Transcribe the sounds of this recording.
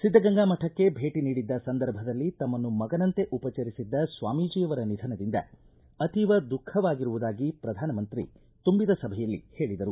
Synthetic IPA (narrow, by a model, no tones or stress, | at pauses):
sid̪ːɐɡɐŋɡaːmɐʈʰɐkːe̞bʱe̞ːʈiniːɽid̪ːɐsɐnd̪ɐɾbʱɐd̪ɐlːit̪ɐmːɐnːumɐɡɐnɐnt̪e̞ʔupɐt͡ʃɐɾisid̪ːɐsʋaːmiːd͡ʒiːjɐʋɐɾɐnid̪ʱɐnɐd̪ind̪ɐ̰ | ɐt̪iʋɐd̪ukʰːɐʋaːɡiɾuʋud̪aːɡipɾɐd̪ʱaːnɐmɐnt̪ɾḭ | t̪umbid̪ɐsɐbʱɐjɐlːḭhe̞ːɭid̪ɐɾu